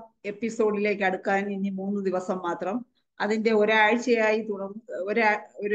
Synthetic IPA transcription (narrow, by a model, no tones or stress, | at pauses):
e̞pːiso̞ːɖile̞ːk̬ʲːɨɐɽukːaːninːimuːnːɨd̪iʋɐsɐmːaːt̪rɐm | ɐðinde̞o̞ɾuaːɻt͡ɕːɐjaːjit̪uɽɐŋːoɾoɾu